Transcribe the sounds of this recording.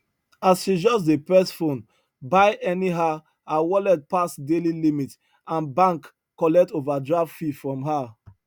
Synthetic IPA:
asʃid͡ʒɔsdepɛsfõn | baɪʔɛniɦa | awɔlɛd̚pasdelilimit | ãnbãŋkː | ɔlɛk̚tovadɹavfifɹɔ̃mɦa

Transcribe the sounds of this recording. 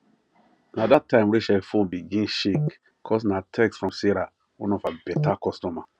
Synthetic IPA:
nadatːãɪ̃mɾeʃafõnbiɡĩnʃik | kʰɔs̬natʰɛksfɹɔ̃msiɾa | wɔ̃nɔfabɛtakɔstɔma

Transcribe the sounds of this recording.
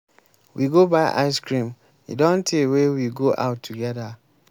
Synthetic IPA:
wiɡobaɪʔa̰ɪskɹĩm | ḭdɔ̃ntʰewewiɡoʔa̰ʊtʰːuɡɛða

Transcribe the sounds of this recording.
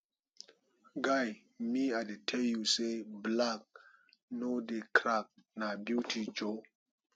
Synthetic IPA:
ɡaj | miadetʰejuseblak̚ | nodekɾak̚nabjutʰid͡ʒo

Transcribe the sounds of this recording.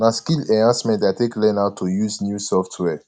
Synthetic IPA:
maskilɛãsmɛ̃ntateklɛ̃naʊtʰːujuznjusɔftʰwɛ

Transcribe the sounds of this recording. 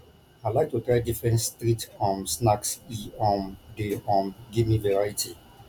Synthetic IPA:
aɪlajk̚tutɾaɪdifɹɛ̃ntstɾitfɔ̃msnaksiɔ̃mdeɔ̃mɡimĩvɛɹaitʰi

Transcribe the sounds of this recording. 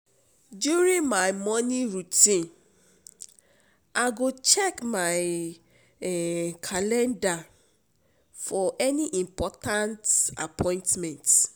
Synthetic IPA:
djuɹĩnmaɪmɔniɹutĩn | ʔaɪɡot͡ʃɛkmaɪ | kʰalɛ̃nda | fɔʔɛniʔĩmpɔtãnta̰pʰɔ̃ɪ̃ntmɛ̃nt

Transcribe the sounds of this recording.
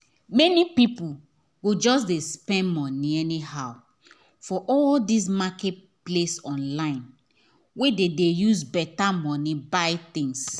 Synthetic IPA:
mɛnipipu | ɡod͡ʒɔs̬despɛ̃nmɔ̃niɛnihaʊ | fɔʔɔldis̬makɛt | plesɔ̃nlãɪ̃n | wededejusbɛtamɔnibaɪt̪ĩŋs

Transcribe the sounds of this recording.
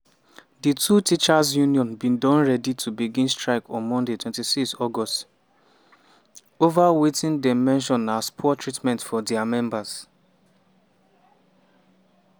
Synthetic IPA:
ditʰutit͡ʃaz̬junjɔ̃nbĩndɔ̃nɹɛditʰubiɡĩnstɹaɪkɔ̃nmɔ̃ndetʰwɛ̃ntisikstɔɡɔst | ovawetĩndɛmɛ̃nʃ̬ɔ̃naspʰɔtɹitmɛ̃ntfɔdɛamɛ̃mbaz̥

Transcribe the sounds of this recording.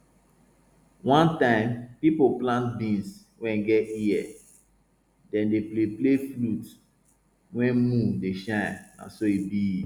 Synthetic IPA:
wɔ̃ntãɪ̃mpipoplãnt̚bĩns | wɛ̃nɡɛtiɛ | dɛ̃ndeplepleflut | wɛ̃nmũndeʃãɪ̃nã̰nsoibii

